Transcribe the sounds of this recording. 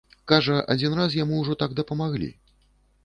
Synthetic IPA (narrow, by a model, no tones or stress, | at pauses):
kaʐɐʔa̰d͡zʲinɾasjamuːʐɔt̪aɡd̪ɐpɐmaɣlʲḭ